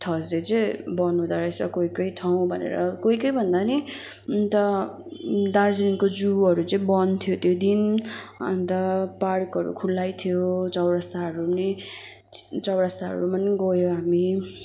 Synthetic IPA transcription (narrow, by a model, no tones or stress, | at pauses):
t̪ʰʌsd͡zet͡sʌĩbʌnũd̪aɾʌjsʌkoikʌiʈʰaw̃bʱʌnḛɾʌ̰koikʌjbʱʌnd̪ani | t̪ʌ | d̪aɾd͡zininkod͡zuʌɾut͡sʌĩbʌnt̪ʰijot̪jod̪inʌ̰nt̪ʌpaɽkʌɾṵkʰulːajt̪ʰijot͡sʌwɾast̪aɦʌɾune | t͡sʌwɾast̪aɦʌ̰ɾumʌnɡʌjoɦami